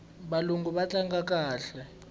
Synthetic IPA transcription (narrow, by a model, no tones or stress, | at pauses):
ɓaluŋɡʱuɓat͡ɬʼaŋɡak̬ʼaːɬɛ